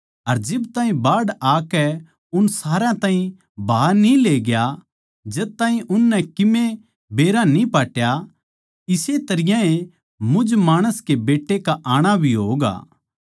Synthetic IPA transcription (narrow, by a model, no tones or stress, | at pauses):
ɐɾd͡ʒɪbt̪ãːɦĩbaːɽaːkɛ | ʊnsaːɾãt̪ãːɦĩ | bʱaːɾnileːɡja | d͡ʒɛt̪aːɦĩʔʊnːɛkɪme | beːɾanĩpaːʈja | ɪset̪ɐɾɪjãe | mʊd͡ʒmaːɽ̃əskebeːʈːekaʔaːɽ̃abʱiɦoːɡa̰ː